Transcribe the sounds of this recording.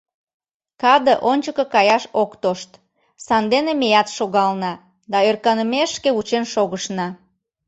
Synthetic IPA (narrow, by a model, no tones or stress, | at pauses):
kɑd̪ə̆ʔonʲt͡ɕəkə̆kɑjɑʃokt̪oʃt̪ | sɑnd̪enemejɑt̪ʃoɣɑlnɑ | d̪ɑørkɑnəmeʃkeut͡ɕenʃoɣəʃnɑ